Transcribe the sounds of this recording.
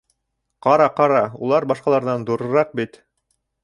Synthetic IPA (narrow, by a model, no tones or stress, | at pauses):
qɑɾɑqɑɾɑṵlˠɑɾbɑʃqɑlˠɑɾðɑnd̪uɾɤ̆ɾɑq̚bit̪